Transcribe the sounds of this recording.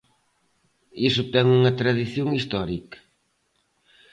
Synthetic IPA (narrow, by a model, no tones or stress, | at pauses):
isʊt̪ɛŋuŋɐt̪ɾɐðiθjoŋist̪ɔɾikɐ̥